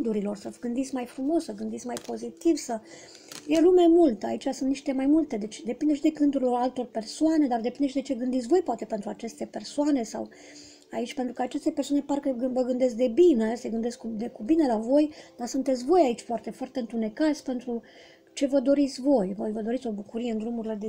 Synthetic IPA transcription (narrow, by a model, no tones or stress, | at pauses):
d̪uɾilo̞rsəvɡɨnd̪it̪sʲmajfɾumo̞ssəɡɨnd̪it̪sʲmajpo̞zit̪ivsə | jelume̞mult̪əa̰it͡ʃasunt̪niʃt̪e̞majmult̪e̞d̪e̞t͡ʃʲd̪e̞pind̪eʃid̪e̞kɨnd̪uɾiloralt̪o̞rpe̞rsoane̞d̪ard̪epind̪eʃid̪e̞t͡ʃeɡɨnd̪it̪sʲvo̞jpoat̪e̞pe̞nt̪ɾuat͡ʃe̞st̪e̞pe̞rsoane̞sa̰w | ait͡ʃʲpent̪ɾukəat͡ʃe̞st̪epersowane̞parkəɡɨvəɡɨnd̪e̞s̬k̚d̪e̞bineseɡɨnd̪e̞skud̪ekubine̞lavo̞jd̪asunt̪et̪sʲvo̞jait͡ʃʲfoart̪e̞foart̪e̞ɨnt̪une̞kat̪sʲpe̞nt̪ɾu | t͡ʃe̞vəd̪o̞ɾit̪sʲvo̞jvojvəd̪o̞ɾit̪sʲo̞bukuɾije̞ɨnd̪ɾumuɾile̞d̪e